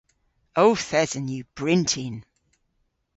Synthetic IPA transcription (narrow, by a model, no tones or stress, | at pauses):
oʊθɛzə̃njəb̥ɹɪ̃ntʰɪ̃n